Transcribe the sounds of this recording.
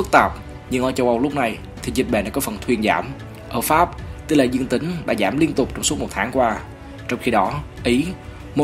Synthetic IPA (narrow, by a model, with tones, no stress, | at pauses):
k̚t̪ə˨˩p̚ | ɲɨ˧ŋʔəː˨˩t͡ɕə˧wʔə˧wlʊ˦˥k͡p̚na˨˩j | t̪ʰi˨˩zi˨˩t̚ɓḛ˧˩nɗaː˧˥kɔ˨˦fə˨˩nt̪ʰwi˧ənza̰ː˧˩m | ʔəː˧˩faː˦˥p̚t̪ɨ˧laː˧˨˩zɨ˧əŋt̪ï˨˦ŋ̟ɗa̰ː˧˥zaː˧˩mli˧ənt̪ʊ˨˩k͡p̚t͡ɕɔ˧ŋ͡msu˦˥mo˨˩t̚t̪ʰaː˨˦ŋkwaː˧ | t͡ɕɔ˧wŋ͡mxi˧ɗɔ˨˦ʔi˨˦ | mo˨˩